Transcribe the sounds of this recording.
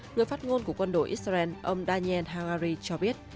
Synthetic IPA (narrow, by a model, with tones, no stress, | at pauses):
ŋɨ˨˩əjfaː˦˥t̚ŋo˧nku˧˩əkwə˧nɗo̰˧˨˩jʔi˦˥za˧ɛ˧nʔə˧wŋ͡mɗaː˧ni˧ɛ˧nɦaː˧waː˧zi˧t͡ɕɔ˧ɓi˦˥ət̚